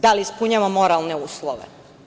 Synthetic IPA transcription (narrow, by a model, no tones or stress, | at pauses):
d̪aliispuɲamomo̞ɾalˠneuːslˠoʋḛ